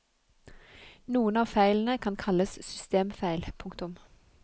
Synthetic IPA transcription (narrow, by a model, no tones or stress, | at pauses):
nuːənɑːfæɪln̩əkʰɑnkʰɑləssʏst̪eːmfæɪlpʰʊŋkt̪ʊm